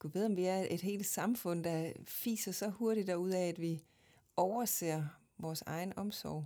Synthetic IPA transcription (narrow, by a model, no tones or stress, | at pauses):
ɡ̥uʋe̝ðˠɒ̽mʋiæɐed̥ɦe̝̰ːld̥sɑ̈mfɔ̽n̰d̥ɑ̈fḭːsɐsɒ̽ho̝ɐɾid̥æuð̞̰ˠɛæd̥ʋi | ɒʊɐse̝̰ːɐ | ʋɒːsɑ̈ɪn̩ɒ̽msɒʊ̰